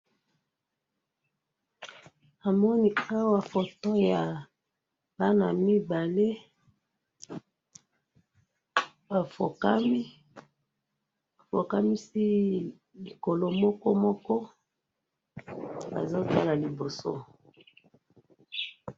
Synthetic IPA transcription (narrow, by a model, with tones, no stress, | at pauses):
a˨mɔ˦ni˦a˦wa˨fo˨to˦ja˨ | ba˦na˨mi˦ba˨le˦ | ba˨fo˨ka˦mi˦ | a˨fo˨ka˦mi˦si˦ | li˨ko˨lo˦mɔ˦kɔ˦mɔ˦kɔ˦ | ba̰˨zo˦ta˦la˨li˨bo˨so̰˦